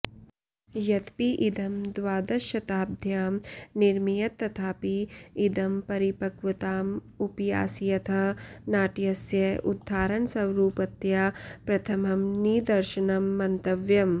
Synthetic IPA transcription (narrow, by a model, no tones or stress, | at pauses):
jɐt̪piʔid̪ɐmd̪ʋaːd̪ɐʃɐt̪aːb̚d̪ʱjaːmniɾmijɐt̪ːɐt̪ʰaːpiːd̪ɐmpɐɾipɐkʋɐt̪aːm | upɐja̰ːsijɐt̪ʰɐnaːʈjɐsjɐʔud̪ʱːaːɾɐnsɐwɾuːpɐt̪japɾɐt̪ʰɐmɐmniːd̪ɐɾʃɐnɐmːɐnt̪ɐʋjɐm